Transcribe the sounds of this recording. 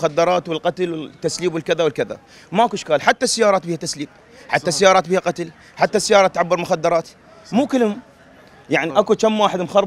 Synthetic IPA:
xad̪ːɑɾˤɑːt̪wɪlqɑt̪lwɪt̪ːasliːbwɪlkɪðawɪlkɪða̰ | maʔakuʔɪʃkaːlħat̪ːasɪjɑːɾˤɑːt̪̚biːhat̪asliːb̚ | ħat̪ːasajɑːɾˤɑːt̪̚biːhaqɑt̪l | ħat̪ːasjɑːɾˤɑt̪ːʕabːɪɾmʊxad̪ːɑɾˤɑːt̪ | muːkɪlhʊm | jaʕniʔakut͡ʃamːwaːħɪd̪mxɑɾˤ

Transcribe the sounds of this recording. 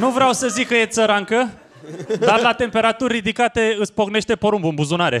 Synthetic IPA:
nuvɾeawsəzikkːəje̞t̪səɾaŋkə | d̪arlat̪e̞mpe̞ɾat̪urʲrid̪ikat̪e̞ɨt̪sʲpoɡne̞ʃt̪e̞poɾumbuɨmbuzunaɾe̞̰

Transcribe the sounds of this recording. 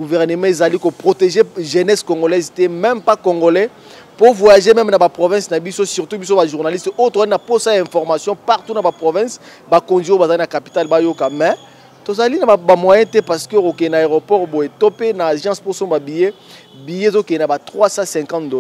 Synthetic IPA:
ɡuvɛʁnəmɑ̃ezalikopʁoteʒeʒenɛskõŋɡolɛztɛmɛmpakoŋɡolɛ | povwajaʒemɛmnabapʁovɛ̃snabisosyʁtubis̬obaʒuʁnalistojotozalinaposajaɛ̃fɔʁmasjɔ̃paʁtunabapʁovɛ̃s | bakonzijbazalinakapitalbajokamɛ | tozalinabamwajɛ̃tɛpaʁsə̥kəokokɛenaeʁopɔʁbojetopenaʒɑ̃sposɔ̃babije | bijezokɛnabatʁwasasɛ̃kɑ̃tdo

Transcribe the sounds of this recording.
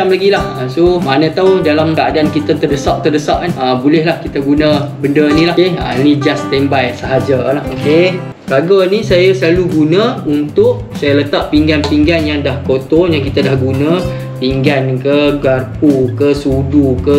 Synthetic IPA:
amlaɡilahasomanə̃t̪awdalamkəadaankit̪at̪ərdəsaʔ̚t̪ərdəsaʔanəbulɛhlahkit̪aɡunə̃bəndənĩlaeã̰inid͡ʒast̪ɛmbajsəɦad͡ʒalahoke | kaɡanĩsajasəlaluɡunə̃unt̪ʊʔ | sajalət̪aʔ̚piŋɡanpiŋɡanjaŋdahkot̪ɔŋjaŋkit̪adahɡunə̃ | piŋɡankəɡarpukəsudukə

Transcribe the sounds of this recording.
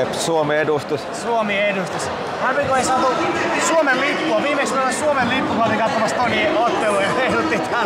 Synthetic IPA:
epsuomiedust̪ussuomiedust̪us | hɑrʋikoeisɑt̪ut̪et̪ːisuomellipːuɑʋiːmeksunonːɑsuomellipːukɑt̪ikɑt̪ːomɑst̪t̪oniot̪ːelujɑheilut̪ːit̪æ

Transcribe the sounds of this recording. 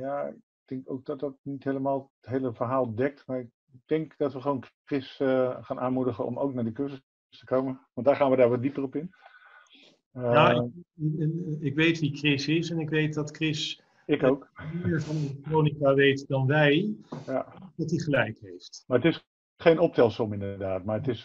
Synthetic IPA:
jaɪk̚dɛŋkowk̚dɑt̚dɑt̚nitɦejləmaːlˠtɦejləvəɹɦaːlˠdɛk̚tmaɹɪk̚ | dɛŋkd̥ɑtʋəχʋownkrɪsχaːnʔaːnmudəχəɔ̰mo̰wknaːdikøɹzəs | stə̥kowmənʋɑntdaːɹχaːnʋədaːɹʋɔt̚dipərɔpɪn | jaː | ɪkʋejtʋikrɪsɪsɛnɪkʋejt̚dɑtkrɪs | ɪkokmiːɹvɑnelktrownikaʋejtədɑnʋɛjjadɑtiχəlɛjkɦejftmaətɪs | χejnɔp̚tɛlˠsɔmɪndədaːtmaːɹətɪs

